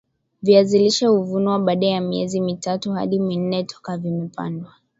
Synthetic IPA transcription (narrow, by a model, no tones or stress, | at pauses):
viaziliʃahuvunuwaɓaːɗajamiɛzimitatuha̰ɗimin̩nɛtʰɔ̥kavimɛpa̰ndwa